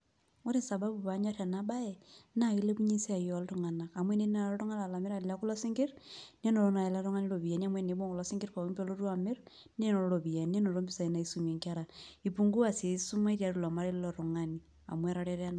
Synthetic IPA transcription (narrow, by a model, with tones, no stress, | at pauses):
o˦ɾi˦nsa˨ba˦bu˨pa˨ɲa˦ɾa˨na˦ba˦ɛ˨na˨i˦le˦pu˦ɲi˦si˦a˨jɔ˨ltu˨ŋa˨na˨ka˨mwe˦ne˦n˦a˨ɾɔ˦tɔ˦ŋa˦la˨la˨mɪ˦ɾa˨la˦ku˦lɔ˦si˦ŋɡɪ˦ɾne˦no˨ɾo˦na˨e˨la˦ɾɔ˦ŋa˦ni˦lo˨βi˨a˨ni˦a˨mwe˦˨ne˨˦bo˦ŋku˨lɔ˦sɪ˦ŋɡɪ˦ɾko˨i˦pe˦lo˦ɾwa˨mɪ˦ɾ | ne˦no˨ɾolo˨βi˨ja˨ni˦e˦no˨ɾo˦mbi˦sa˨i˨˦na˨i˦su˦me˨ŋka˦ɾa˨i˨pu˨ŋɡu˦a˨se˨su˦ma˦i˦ɾja˨˦ɾu˦lɔ˨ma˦ɾe˦llɔ˨ɾo˨ŋa˨ni | a̰˨mwɛ˦ɾa˦ɾe˦ɾa˦na˨